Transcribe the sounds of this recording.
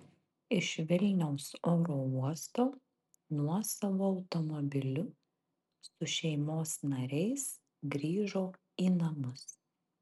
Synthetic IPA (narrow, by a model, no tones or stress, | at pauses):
ɪʃʋʲɪlʲnʲɛʊsoːɾoːuɔst̪oː | nuɔsɐʋoːɐʊt̪ɔmɔbʲɪlʲʊ | sʊʃʲɛɪmoːsnɐɾʲɛɪs | ɡɾʲiːʒoː | iːnɐmʊs